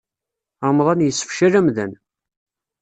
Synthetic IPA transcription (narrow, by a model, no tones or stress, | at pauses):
amðˤɑnjəsːə̥fʃæɾæmðæn